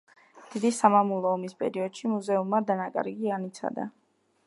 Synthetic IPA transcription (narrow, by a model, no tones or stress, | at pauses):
d̪̥id̪isamamulˠɔːmispʼɛ̰ɾiɔd̪̥ʃimuzɛumːad̪anakʼa̰ɾɡianit̪sʰa̰d̪a̰